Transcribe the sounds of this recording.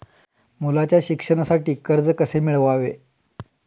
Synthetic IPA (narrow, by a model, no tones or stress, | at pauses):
mulat͡ɕjaɕikʂəɽasaʈiːkəɾd͡zkəsemiɭʋaʋḛ